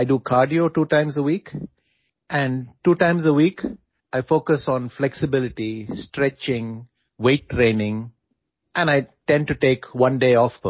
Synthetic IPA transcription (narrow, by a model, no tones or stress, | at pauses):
aɪɖuːkʰaːɾɖioːʈuːʈãɪ̃mzəwiːk | ʔæ̃ɳɖʈuːʈãɪ̃mzəwiːk | aɪfoːkəsɔ̃nflɛksɪbɪlɪʈisʈɾɛt͡ʃɪ̃ŋ | weːʈːɾẽːnɪ̃ŋ | ʔɛ̃naɪʈɛ̃nɖ̚ʈuʈeːkʋʌ̃nɖeːɔf